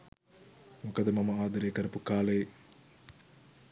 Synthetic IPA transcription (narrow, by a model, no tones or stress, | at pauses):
mukɐd̪ɐmɐmɐaːd̪ɐɾeːkɐɾɐpukaːlej